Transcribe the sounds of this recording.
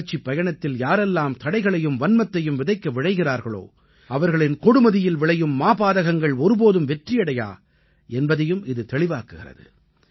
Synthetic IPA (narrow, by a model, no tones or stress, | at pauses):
t͡ʃːipːɐjɐɳɐt̪ːɪljaːɾɛlːaːmt̪ɐɽɐɪɣɐɭɐjɯmʋɐnmɐt̪ːɐjɯmʋɪðɐɪkːɐʋɪɻɐɪɣɪraːɾɣɐɭo̰ː | ɐʋɐɾɣɐɭɪnkɔɽɯmɐðɪjɪlʋɪɭɐjɯmːaːbaːðɐɣɐŋɡɐɭɔɾɯpoːðɯmʋɛʈrɪjɐɽɐja̰ː | ɛnbɐðɐjɯmɪðɯt̪ɛɭɪʋaːkɯɣɪ̰rɐ̰ðɯ̰